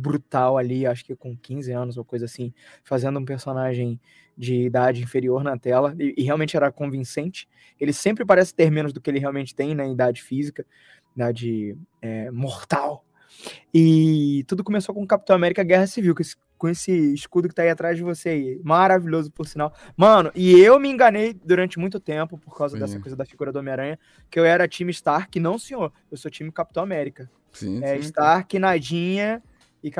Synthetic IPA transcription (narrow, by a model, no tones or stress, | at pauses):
bɾut̪awaliwaʃʊ̥kɪkõkʰĩzɪɐ̃nʊzokojzɐasĩfazẽnd̪ʊũpeɾsonaʒẽj̃ | d͡ʒɪːd̪ad͡ʒɪĩfeɾioɾnɐt̪ɛlɐɪʔːɦeawmẽnt͡ʃɪɛɾɐkõvĩsẽnt͡ʃɪ̥ | elɪsẽmpɾɪpaɾɛsɪ̥t̪eɾmẽnʊzd̪ʊkɪelɪɦeawmẽnt͡ʃɪ̥t̪ẽj̃nɛid̪ad͡ʒɪfizikɐ | d̪ad͡ʒɪɛmoχt̪aw | ɪt̪ud̪ʊkõmesokõkapit̪ɐ̃w̃amɛɾikɐɡɛɦɐsiviwkesɪ̥ | kõesɪːʃkud̪ʊkɪt̪aiat̪ɾazd͡ʒɪvoseaimaɾaviʎozʊpʊɾsinaw | mɐ̃nʊʔɪewmɪẽɡɐnejd̪uɾɐ̃nt͡ʃɪmũj̃t̪ʊt̪ẽpʊpoɾkawzɐd̪ɛsɐkojzɐd̪ɐfiɡuɾɐd̪ʊomeaɾɐ̃jɐ | kɪewɛɾɐt͡ʃĩmɪʃt̪aɾkɪnɐ̃w̃sẽɲoɾ | ewsot͡ʃĩmɪkap̚t̪ɐ̃w̃amɛɾikɐ | sĩɛiʃt̪aɾkɪnad͡ʒĩɲɐ | ɪk